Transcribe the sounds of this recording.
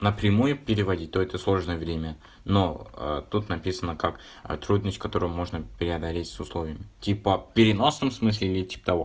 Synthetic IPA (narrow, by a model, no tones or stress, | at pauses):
nəpɾʲɪmujʊpʲɪɾʲɪvɐdʲit̚ʲt̪oɛt̪əslˠo̞ʐnəjəvɾʲemʲə | noə̰t̪ut̪nɐpʲisənəkak | t̪ɾud̪nəsʲtʲkɐt̪o̞ɾɨjʊmo̞ʐnəpʲɪɾʲɪɐd̪ɐlʲetʲsʊslˠo̞vʲɪjəmʲɪtʲipəpʲɪɾʲɪno̞snəmsmɨs̬ʲlʲɪilʲɪtʲi̥pə̥t̪ɐvo̰